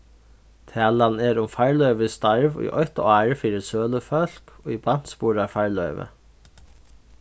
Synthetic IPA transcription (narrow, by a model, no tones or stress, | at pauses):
t̪ʰɛːlannɛɾʊmfaɹlœʏʋɪst̪aɹvʊ̰jʔɔjt̪aːɹfiːɾɪsøːləfœl̥kɔiban̥t̪spuːɾafaɹlœʏʋə̰